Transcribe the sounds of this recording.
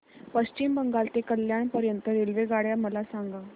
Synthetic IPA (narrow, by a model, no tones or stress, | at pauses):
pəɕt͡ɕimbəŋɡalt̪ekəljaɳpəɾjənt̪əɾelʋeɡaɽjaməlasaŋɡa